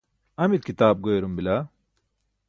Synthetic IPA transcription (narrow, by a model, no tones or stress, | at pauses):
ɐmilkit̪aːb̚ɡojɾumbila